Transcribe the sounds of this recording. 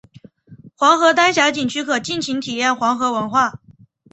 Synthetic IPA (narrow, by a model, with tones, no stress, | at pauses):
xwɑ˧˥ŋxɤ˧˥t̪a˥nɕja˧˥t͡ɕi˨˩nt͡ɕʰy˥kʰɤ˨˩t͡ɕi˥˩nt͡ɕʰi˧˥ŋt̪ʰi˨˩jɛ˥˩nxwɑ˧˥ŋxɤ˧˥wə˧˥nxwa˥˩